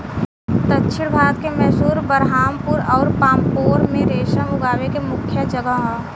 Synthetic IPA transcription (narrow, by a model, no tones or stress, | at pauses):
t̪ətːʃʰɪɽbʱaːɾt̪kemɛɦsuːɾbəɾɦaːmpuɾɔːɾpaːmpoːɾmẽɾeːʃəmʊɡaːʋekemʊkʰjəd͡ʒəɡəɦɦɔː